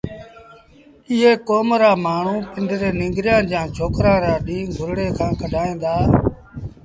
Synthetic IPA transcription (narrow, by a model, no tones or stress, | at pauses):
ɪɦeːkoːmɾaːmaːɳ̤ũːpɪɳɖɾeːnɪ̃ːŋɡɾjãːd͡ʒãːt͡ʃʰoːkɾãːɾaːɗĩːɡʱʊɾɽeːkʰãːkʰəɖʱaːĩːnd̪aː